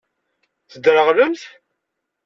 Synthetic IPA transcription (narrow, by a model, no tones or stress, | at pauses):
θəd̪ɾəʁləmθ